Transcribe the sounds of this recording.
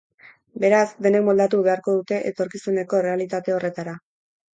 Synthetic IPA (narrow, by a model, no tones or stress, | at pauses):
be̞ɾazd̪e̞ne̞k̚mo̞ld̪at̪uβe̞aɾko̞ðut̪e̞ʔḛt̪o̞ɾkisune̞ko̞re̞alit̪at̪e̞o̞re̞t̪aɾa